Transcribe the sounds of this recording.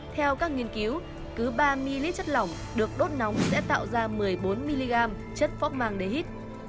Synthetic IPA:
t̪ʰɛ˧wkaː˦˥k̚ŋi˧ənki˨˦w | kɨ˨˦ɓaː˧mi˧li˦˥t͡ɕə˦˥t̚la˧˩wŋ͡m | ɗɨ˨˩ək̚ɗo˦˥t̚nɔ˨˦wŋ͡msɛ̰˧˥t̪a̰ː˧˨wzaː˧mɨ˨˩əjɓo˨˦nmi˧li˧ɣaː˧m | t͡ɕə˦˥t̚fɔ˦˥p̚maː˧ŋɗe˧˩hi˦˥t̚

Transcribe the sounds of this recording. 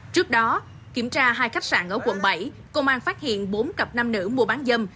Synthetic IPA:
t͡ɕɨ˦˥ək̚ɗɔ˨˦ | ki˧˩əmt͡ɕaː˧ɦaː˧jxa˦˥jk̚sa̰ː˧˩nʔə̰ː˧˩kwə̰˧˨nɓə˧˩j | kə˧wŋ͡mʔaː˧nfaː˦˥t̚hḭ˧˨ənɓo˨˦nkə˨˩p̚na˧mnɨ̰˧˥əmu˧˩ɓaː˨˦nzə˧m

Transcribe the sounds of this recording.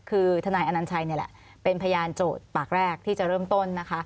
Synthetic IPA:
kʰɯː˧t̪ʰa˧naː˧jʔa˧na˧nt͡ɕʰa˧jni˥˩ɐlɛ̰˨˩ʔ | pe˧npʰa˧ja˧jaː˧nt͡ɕoː˨˩t̪̚paː˨˩k̚ɾɛː˥˩k̚t̪ʰiː˥˩t͡ɕa˨˩ʔɾɤː˥˩mt̪o˥˩nːa˦˥kʰa˦˥

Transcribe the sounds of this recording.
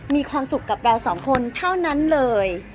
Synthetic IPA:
miː˧kʰwaː˧msu˨˩kːa˨˩p̚ɾa˧wsɔː˩˦ŋkʰo˧nt̪ʰa˥˩wna˦˥nlɤː˧j

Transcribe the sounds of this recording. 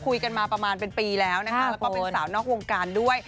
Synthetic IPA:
kʰu˧jka˧nmaː˧pɾa˧maː˧npe˧npiː˧lɛː˦˥wna˦˥a˦˥ɛ˦˥kɔː˥˧ensaː˩˦mnɔː˥˩k̚wo˧ŋkaː˧ndu˥˩əj

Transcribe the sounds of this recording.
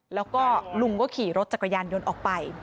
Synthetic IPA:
lɛː˦˥wkɔː˥˩lu˧ŋkɔː˥˩kʰiː˨˩˦ɾo˦˥t̪̚t͡ɕa˨˩kːa˧jaː˧njo˧nʔɔː˨˩k̚pa˧j

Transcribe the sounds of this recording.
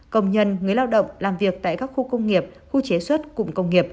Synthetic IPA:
kə˧wŋ͡mɲə˧nŋɨ˨˩əjlaː˧wɗə̰˧˨wŋ͡mlaː˨˩mvi˨˩ək̚t̪a̰ː˧˨jkaː˦˥k̚xu˧kə˧wŋ͡mŋi˨˩əp̚ | xu˧t͡ɕe˨˦swə˦˥t̚kʊ̰˧˨ŋ͡mkə˧wŋ͡mŋi˨˩əp̚

